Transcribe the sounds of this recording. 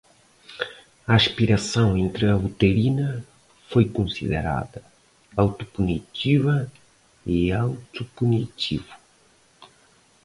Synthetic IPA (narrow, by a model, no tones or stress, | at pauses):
ɐaʃpiɾɐsɐ̃w̃ẽnt̪ɾɐut̪elinɐ | fojkõnsḭðḛɾa̰ðɐ | awt̪u̥punit̪ivɐ | iawt̪upunit̪ʰivu̥